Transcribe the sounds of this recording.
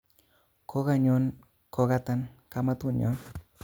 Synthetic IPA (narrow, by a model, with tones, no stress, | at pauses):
kʰo˦ka˦ɲo˦n | ko˨ka˦ta˦nka˦ma˦tu˦˨ɲɔ̰˦n